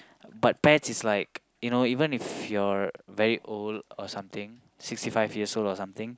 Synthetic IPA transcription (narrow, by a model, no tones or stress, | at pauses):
bat̚pɛtsislaɪk | junoivə̃nifjɔɹvɛɹiʔoldɔsãmt̪ɪ̃ŋ | sikstifaɪvjiəsoldɔsãmt̪ɪ̃ŋ